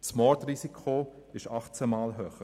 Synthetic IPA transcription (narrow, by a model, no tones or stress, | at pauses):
smɔrtrisikʰχo | ɪʃɑχt͡sɛmɑːlɦøːχə